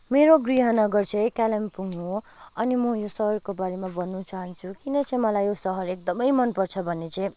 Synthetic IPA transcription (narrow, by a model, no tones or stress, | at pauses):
meɾoɡriɦʌnʌɡʌrt͡sʰʌ̃j̃kalempuŋo | ʌnimʌjosʌɦʌrkobaɾemabʌnːut͡saɦʌnt͡sʰukinʌt͡sʌĩmʌlajjosʌɦʌɾek̚d̪ʌmʌjmʌnpʌrt͡sʰʌbʱʌnːet͡sʌ̃ĩ